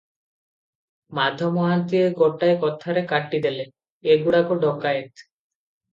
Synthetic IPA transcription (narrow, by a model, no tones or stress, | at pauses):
mad̪ʱːomɔɦant̪ieɡɔʈːajkɔt̪ʰːaɾekaʈːid̪ele | eɡuɽakoɖɔkːaet̪